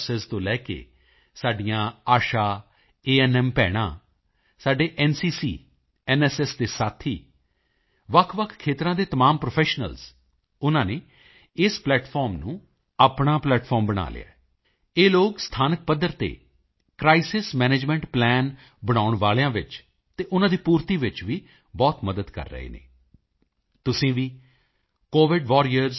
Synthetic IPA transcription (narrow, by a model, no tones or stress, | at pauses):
sest̪õːlɛːkḛː | saːɖijãːaːʃaː | eːɛːnɛːmpɛːɽ̃ã̰ː | saːɖeːʔɛːnsiːsiː | ɛːnɛːsɛsd̪eːsaːt̪ʰiː | ʋəkʰːʋəkʰkʰeːt̪ɾãːd̪eːt̪əmaːmpɾopʰɛːʃnə̰lz | ʊnãːneː | ɪsplɛːʈfʰɔːɾmnũː | aːpɳaːplɛːʈfʰɔːɾmbəɽ̃a̰ːlɪ̰a̰ː | eːloːɡst̪ʰaːnək̚pəd̪ːəɾt̪ḛː | kɾaːɪsɪsmɛːneːd͡ʒmɛ̃ːɳʈplɛːn | bəɽ̃aːʊɳʋaːljãːʋɪt͡ʃ | t̪eːʔʊnãːd̪iːpuːɾt̪iːʋɪt͡ʃʋiː | bɔːt̪məd̪əd̪kə̰ɾːə̰ḛːnḛː | t̪ʊsĩːʋiː | koːʋɪɖʋɔːɾijəɾz